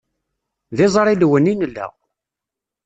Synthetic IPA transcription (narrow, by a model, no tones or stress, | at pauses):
ðɪzˤɾˤiðwəninlːæ̰